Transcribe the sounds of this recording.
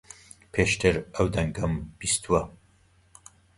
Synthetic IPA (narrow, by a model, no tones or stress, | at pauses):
pʰeʃt̪ʰɨɾɐwd̪ɐŋɡɐmb̥ist̪ʰwɐ